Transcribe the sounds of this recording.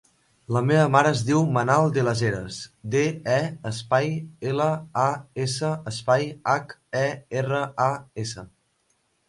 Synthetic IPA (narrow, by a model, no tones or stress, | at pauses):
ləmeβəmaɾəːzðiwmənalˠd̪eləzeɾəsd̪eɛəspajeləaesəəspajakɛerəaesə